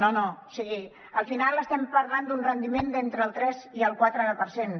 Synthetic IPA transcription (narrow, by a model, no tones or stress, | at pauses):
nonosiɣi | əlˠfinalˠəst̪ɛmpəɾland̪unrənd̪imend̪ent̪ɾəːlˠt̪ɾɛziəlˠkwat̪ɾəpəɾsen